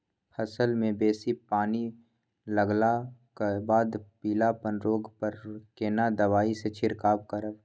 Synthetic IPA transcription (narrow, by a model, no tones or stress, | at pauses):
pʰɐsəlmẽbeːsipaːni | ləɡlakabaːd̪piːlapənɾoːɡpəɾkeːnad̪ɐʋaːiset͡ʃʰɪɾkaːb̚kəɾə